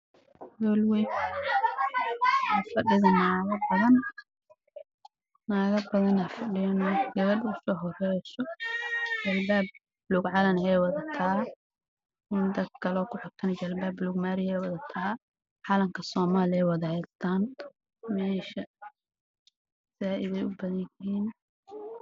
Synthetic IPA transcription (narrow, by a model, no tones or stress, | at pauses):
wɔlwɛj | ɐfɐɖɪðɐnaːɣɐbɐðɐn | naːɣɐbɐðɐnɐfɐɖɪjɐnɔːɡɐβɐd̪ʊsɔːɦɔrɛjsɔ | t͡ʃɐlbaːb̚ | bluːɡʕɑlɐnɛːjwɐðɐt̪ʰaː | kʊnd̪ɐd̪̚kʰɐlɔːkʰʊħʊt̪ʰɐnt͡ʃɐlbaːbluːɡmaːɾɪjɛwɑðɐt̪ʰaː | ʕɑlɐŋkʰɐsɔːmaːlɪɛwɑðɐhɛst̪ʰaːn | mɛːʃɐ | saːʔɪðɛjʊbɐðɐnɪiːn